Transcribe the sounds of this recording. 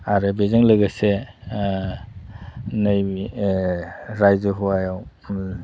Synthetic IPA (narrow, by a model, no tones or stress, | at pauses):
aɾɯbezaŋlɯɡase | naj | ɾajzɯɦuajaw